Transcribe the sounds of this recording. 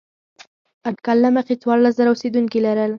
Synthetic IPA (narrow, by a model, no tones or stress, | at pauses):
aʈkɑlːaməqet͡swɑɾlas̬zaɾaosed̪uŋkilaɾəl